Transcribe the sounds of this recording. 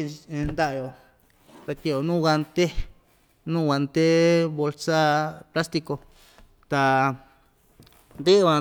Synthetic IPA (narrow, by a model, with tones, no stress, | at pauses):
nd̪a˦ʔjo˨ | t̪a˧˨ki˧˨o˨nũ˦wa˧nt̪e˦ | nũ˦wa˧nt̪e˦βo˧lsa˦pla˦st̪i˧ko˧ | t̪a˧ | nd̪e˦ã˧